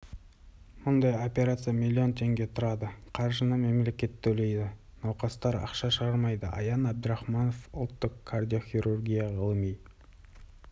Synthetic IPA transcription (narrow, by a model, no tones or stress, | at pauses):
mʊnd̪ɑjo̞pʲe̞ɾat̪sɨjamʲilʲːio̞nt̪ʰe̞ŋɡʲe̞t̪ʰʊɾɑd̪əqʰɑɾʒənəme̞mle̞kʲe̞t̪ːʰɵle̞jd̪ɪ | nɑwqɑst̪ɑɾɑ̰qʃɑʃəʁɑɾmɑjd̪ə̰ɑ̰jɑnæb̚d̪əɾɑχmɑnofʊlˠt̪ːəqkʰard̪ʲijo̞χʲiɾurɡʲijaʁəlˠəmij